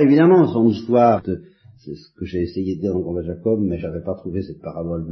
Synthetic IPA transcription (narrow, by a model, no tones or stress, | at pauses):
evid̪amɑ̃sɔ̃nist̪waːʁt̪ə | sɛsə̥kəʒɛesejed̪əd̪iːʁd̪ɑ̃kɔ̃b̪aʒakɔbmɛʒavɛpat̪χuvesɛt̪̚paʁabɔl